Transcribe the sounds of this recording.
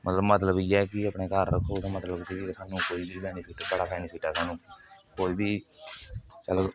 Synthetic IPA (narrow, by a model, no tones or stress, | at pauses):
mət̪ləbmət̪ləbiːɛːkɪəpɳeːkəɾːəkʰːoːt̪õːmət̪ləbkɪisaːnũːkoːiːbiːpɛːniːpʰɪʈbəɽaːpɛːniːpʰɪʈɛːsaːnũːkoːiːbiː | t͡ʃəlo